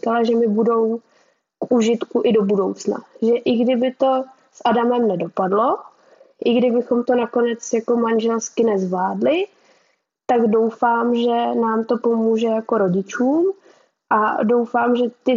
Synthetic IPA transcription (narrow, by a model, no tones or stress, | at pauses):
kalaʒɛmɪbudo̞w | kʔuʒɪt̪kuʔɪdo̞budo̞wt͡sna̰ʒɛʔɪɡdɪbɪt̪o̞ | sʔadamɛmnɛdo̞padlo̞ | ʔɪɡdɪbɪxo̞mt̪o̞nako̞nɛt͡sjako̞manʒɛlskɪnɛzvlaːdlɪ | t̪aɡdo̞wfaːmʒɛnaːmt̪o̞po̞muːʒɛjako̞ɾo̞ɟɪt͡ʃuːm | ʔado̞wfaːmʒɛt̪ɪ